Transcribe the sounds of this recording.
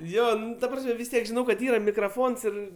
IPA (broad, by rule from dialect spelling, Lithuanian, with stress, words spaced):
ˈjoː ˈnʊ tɐ ˈprɑːsʲmʲɛ ʋʲɪs ˈtʲiɛk ʒʲɪˈnɐʊ kɐt ˈiːrɐ mʲɪkrɐˈfoːns ˈɪr